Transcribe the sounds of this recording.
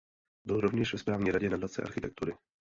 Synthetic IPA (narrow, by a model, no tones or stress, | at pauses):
bɪlɾovɲɛʃvɛspɾaːvɲiːɾaɟɛnadat̪t͡sɛ̰ʔa̰ɾxɪt̪ɛk̚t̪uɾɪ